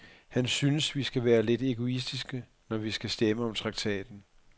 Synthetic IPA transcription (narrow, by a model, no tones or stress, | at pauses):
hænsynəsʋisɡ̥æʋæːɐle̝d̥e̝ɡ̥o̝is̬d̥isɡ̥ə | nɒʋisɡ̥æsd̥eməɒ̽mt͡sʰʁɑ̈ɡ̥t͡sʰɛ̰ːd̥n̩